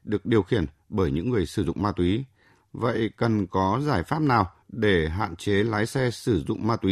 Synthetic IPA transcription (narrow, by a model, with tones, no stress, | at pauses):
ɗɨ˨˩ək̚ɗi˨˩əwxi˧˩ən | ɓəː˧˩jɲɨ̰˧˥ŋːɨ˨˩əjsɨ˧˩zʊ̰˧˨ŋ͡mmaː˧t̪wi˨˦ | və̰˧˨jkə˨˩nkɔ˨˦zaː˧˩jfaː˦˥p̚naː˨˩w | ɗe˧˩ɦa̰ː˧˨nt͡ɕe˨˦laː˨˦jsɛ˧sɨ˧˩zʊ̰˧˨ŋ͡mmaː˧t̪wi˨˦